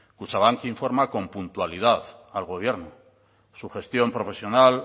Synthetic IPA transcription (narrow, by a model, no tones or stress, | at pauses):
kut͡ʃaβ̞aŋkiɱfo̞ɾmako̞mpunt̪walið̞aðalɣo̞β̞je̞ɾnu | suxe̞st̪jo̞mpɾo̞fe̞sjo̞nal